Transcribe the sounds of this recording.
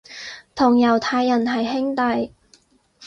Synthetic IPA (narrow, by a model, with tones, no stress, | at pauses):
t̪ʰʊ˨˩ŋjɐ˨˩wt̪ʰaː˧jːɐ˨˩nɦɐ˨˩jɦɪ˥ŋt̪ɐ˨j